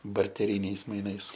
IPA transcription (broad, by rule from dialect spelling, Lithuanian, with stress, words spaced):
bɐrʲtʲɛˈrʲiːnʲɛɪs mɐɪˈnɐɪs